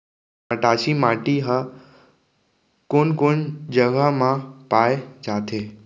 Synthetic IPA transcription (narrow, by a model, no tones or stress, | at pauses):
əʈaːʃimaːʈiɦə | konkʊnd͡ʒəʋamãpaːjd͡ʒat̪ʰeː